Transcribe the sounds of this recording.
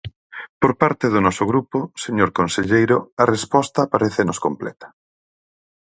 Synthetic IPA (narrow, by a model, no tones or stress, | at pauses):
poɾpaɾt̪eðʊnɔsʊɣɾupʊseɲoɾkonseʎejɾʊɐrespɔst̪apaɾeθenoskomplɛ̰t̪ɐ̥